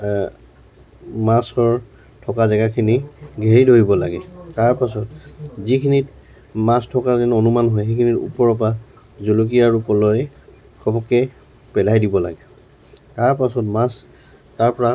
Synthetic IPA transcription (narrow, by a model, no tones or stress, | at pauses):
masɔɹ | tʰɔkazɛɡakʰiniɡʱeɹidoɦibɔlaɡɛtaɹpas̬ɔtzikʰinit | mastʰɔkazɛnonumanɦɔjxekʰinitṵpɔɹɔp̬a | zulok̬ijaɹupɔlɔjɛ | kʰɔbɔkɛ | pɛlajdibɔla̰ɡɛ | taɹpasɔtmas | taɹpɔɹa